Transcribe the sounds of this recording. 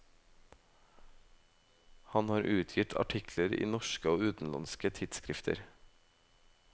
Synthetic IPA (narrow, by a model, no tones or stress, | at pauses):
hɑnhɑːɾʔʉːt̪ʰjɪt̪ʰɑ̰ʈʰɪkʰləɾḭːnɔʃkəoːʉːt̪n̩lɑ̰nskət̪ʰɪd̪skɾɪft̪ʰə̰ɾ